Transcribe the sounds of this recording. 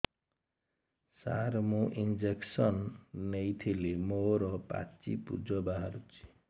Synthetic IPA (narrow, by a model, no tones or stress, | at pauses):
sa̰ɾmũʔind͡ʒeksʌnːejt̪ʰilemoɾɔpa̰t͡sipṵd͡zɔbaɦaɾut͡ʃʰi̥